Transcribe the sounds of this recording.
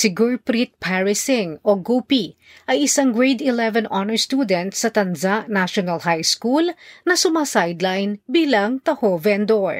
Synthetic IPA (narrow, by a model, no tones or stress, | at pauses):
sɪɡuɹpɾit̪̚pʰɛɹɪsɪŋʔoɡupi | ʔɐjɪsaŋɡɹɛjd̪ɪlɛvɛnanɛɹst̪ud̪ɛnt̪sɐt̪ɐndaʔnaʃonɐlhajskulnɐsʊmaːsajd̪lajnbiːlɐŋt̪ɐhovɛnd̪oɹ